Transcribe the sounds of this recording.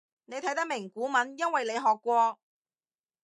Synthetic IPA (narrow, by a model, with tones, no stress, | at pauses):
ne˨˧jt̪ʰɐ˨˥jt̪ɐ˥k̚mɪ˨˩ŋkuː˨˥mɐ˨˧njɐ˥nwɐ˨jle˨˧jɦɔː˨kːʷɔː˧